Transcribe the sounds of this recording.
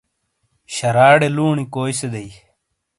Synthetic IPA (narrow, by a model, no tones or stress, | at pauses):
ɕɐɾaːɽeluːɳikoːjsed̪ɐi